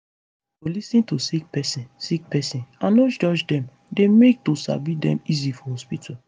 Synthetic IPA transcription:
folisĩntosik̚pɛsĩnsik̚pɛsĩnãnod͡ʒɔd͡ʒdɛ̃m | demek̚tosa̰bidɛ̰̃mizifɔhɔspitʰa

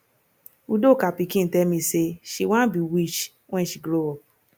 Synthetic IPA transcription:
udokapikĩn̩tɛmĩseʃiwãbiwit͡ʃ | wɛ̃nʃiɡɾoɔ

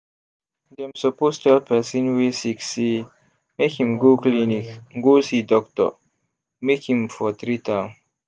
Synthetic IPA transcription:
d̪ɛmsəpostɛlpɛsĩnwisiksi | mekhĩmɡuklinikŋɡusid̪ɔkt̪ɔ̰ | mekĩmfɔt̪ɾit̪am

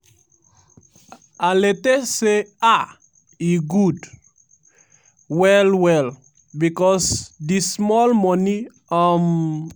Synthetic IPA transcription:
aletesea | iɡud | wɛlwɛl | bikɔsdismɔlmɔni | ɔm

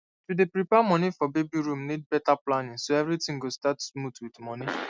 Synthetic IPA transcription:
tudepɹipɛamɔ̃nifɔbebiɹũmnid̚bɛtaplãnĩŋsoɛvɹitĩŋɡostatsmutwidmɔ̃ni

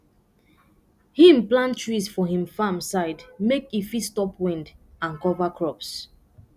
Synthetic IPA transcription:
hĩmplãntɹisfɔhĩmfamsaɪdmekifistɔpʰwɛ̃ndãnkɔvakʰɹɔps

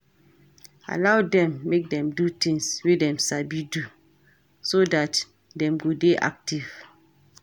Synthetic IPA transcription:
a̰lawdɛ̃mːek̚dɛ̃mdut̪ĩŋswedɛ̃msabidu | sodat | dɛ̃mɡodeʔa̰k̚tiv̥

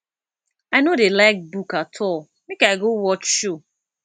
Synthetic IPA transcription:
aɪnodelaɪk̚bukatʰɔl | mekaɪɡowɔt͡ʃʃo

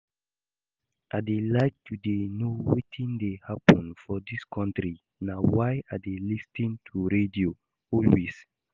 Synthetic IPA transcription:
ʔadelaɪk̚tʰudenowitʰĩndehapə̃nfɔdiskʰɔ̃ntɹi | nawaɪadelistĩntʰuɹedio | ɔlwis

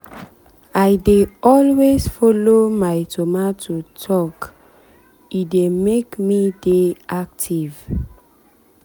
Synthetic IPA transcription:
ajdeɔlwezfɔlomajtʰomatʰutʰɔk | idemekmideak̚tʰiv

